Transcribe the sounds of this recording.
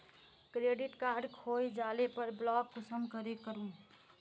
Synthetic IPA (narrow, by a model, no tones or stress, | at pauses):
kɾeːɖɪʈkaːɾɖkʰoːjd͡ʒaːlepəɾblɔːkːosəmkəɾekəɾũː